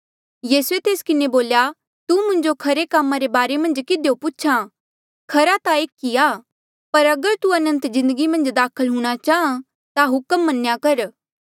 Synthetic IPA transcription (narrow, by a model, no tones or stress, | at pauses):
jiːset̪eːskɪneboːlja | t̪umʊ̃nd͡ʒokʰɐɾekamːãɾebaːɾemɐ̃nd͡ʒkɪd̪ejopʊt͡ʃʰã | kʰɐɾat̪aeːkːiaː | pɐɾɐɡəɾt̪uɐnə̃nt̪zɪ̃nd̪əɡimɐ̃nd͡ʒd̪aːkʰəlɦũːɽ̃at͡ʃaːã | t̪aɦʊkəmːɐnjakɐɾ